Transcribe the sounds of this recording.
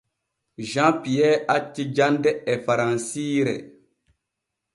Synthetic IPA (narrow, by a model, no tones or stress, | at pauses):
ʒãpijɛat͡ʃːid͡ʒandɛefaɾãnsiːɾḛ